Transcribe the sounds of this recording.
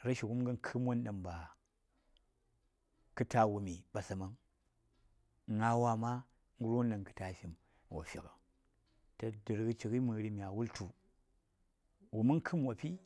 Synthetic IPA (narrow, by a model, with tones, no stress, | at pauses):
ɾa˦ʃi˨ku˦mɡa˦nkʰɨ˦mwo˦nɗa˨mba˨ | kɨ˦ta˨wu˨mi˨ɓa˨sa˨ma˦ŋ˨ | ŋa˦wa˦ma˦ | ŋ˦ɡu˦ɾu˦nda˨ŋkɨ̥˨ta˨fi˨m | wa̰˨fḭ˨ka˨ | ta˨dɨ˨ɾɡə˦t͡ʃi˨ki˦mɨ˨ɾi˦mi˨a˨wu˦ltu˨ | wu˨mu˦ŋ˦kʰɨ˦m˦wa˨pi˦